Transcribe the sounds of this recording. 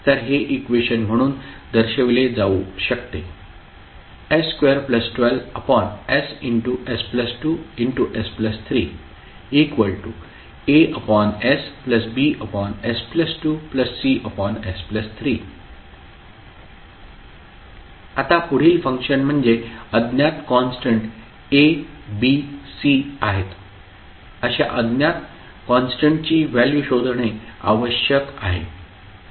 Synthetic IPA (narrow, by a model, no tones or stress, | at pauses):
t̪əɾɦeʔikʋeɕənm̤əɽ̃uːnd̪əɾɕeʋled͡zauɕək̚t̪e | eskʋeəɾpləsʈʋɛləpɔnesiɳʈuʔespləsʈuiɳʈuʔespləst̪ʰɾiː | ekʋəɭʈu | eəpɔnespləsbiʔəpɔnespləsʈuːpləsːiʔəpɔnespləst̪ʰɾiː | at̪apuɽ̤iːlfə̃ŋkʂənm̤əɳd͡zeəd̪njat̪kɔnsʈəɳʈ | ebisiaɦet̪ | əɕa̰ʔəd̪njat̪ | kɔnsʈəɳʈ̚t͡ɕiːʋæljuɕod̪ʱɳ̃ea̰ʋəɕjəka̰ɦḛ